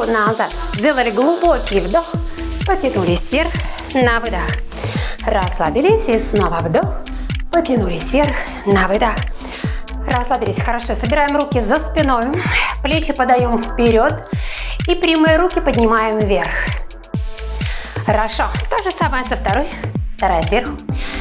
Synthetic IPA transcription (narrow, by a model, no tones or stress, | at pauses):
nazat̪zʲdʲelˠəlʲɪɡlˠʊbokʲɪjvd̪oxpətʲɪnulʲɪsʲvʲerx | nəvɨd̪ax | rɐslˠabʲɪlʲɪsʲisnovəvd̪oxpətʲɪnulʲɪsʲvʲerx | nəvɨd̪ax | rɐslˠabʲɪlʲɪsʲxəɾɐʂosəbʲɪɾajɪmɾukʲɪzəspʲɪnojʊplʲet͡ɕɪpəd̪ɐjomfpʲɪɾʲo̞t̪ipɾʲimɨjəɾukʲɪpədʲnʲɪmajɪmvʲe̞rx | xəɾɐʂot̪oʐɨsaməjəzəft̪ɐɾojft̪ɐɾajəvʲerx